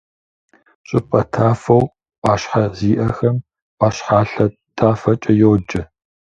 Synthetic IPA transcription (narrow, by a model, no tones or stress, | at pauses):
ɕʼɪpʼɐtʰaːfɐw | ʔʼaːʃħaziːʔɐxɐm | ʔaːɕħaːɬɐ | tʰʼaːfɐt͡ʃʼɐjoːd͡ʒɐ